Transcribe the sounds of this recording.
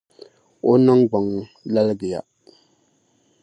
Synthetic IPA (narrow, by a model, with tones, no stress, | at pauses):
o˦na˦ŋɡ͡ba˨ŋla˦lɡɪ˨ja̰˨